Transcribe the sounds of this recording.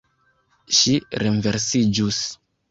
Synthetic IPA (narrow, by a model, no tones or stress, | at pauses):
ʃiɾenveɾsid͡ʒus